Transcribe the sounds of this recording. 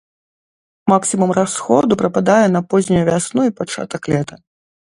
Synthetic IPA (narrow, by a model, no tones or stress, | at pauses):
maksʲimumrasxɔd̪upɾɐpad̪ajɛn̪ɐpɔzʲnʲujuvʲasnuipat͡ʂa̰t̪ɐklʲɛt̪ɐ